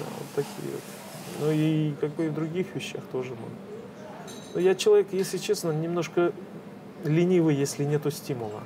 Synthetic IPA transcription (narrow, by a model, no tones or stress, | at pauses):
d̪a̰vo̰t̪ʰːɐkʲḭjə̰vo̰t̪ | nuikaɡ̚bɨɪvd̪ɾʊɡʲixvʲɪɕːa̰xt̪o̞ʐɨno̰ɡ | nojat͡ɕɪlˠɐvʲekjesʲlʲɪt͡ɕesnənʲɪmno̞ʂkə | lʲɪnʲivɨjjesʲlʲɪnʲet̪ʊsʲtʲimʊlˠə̰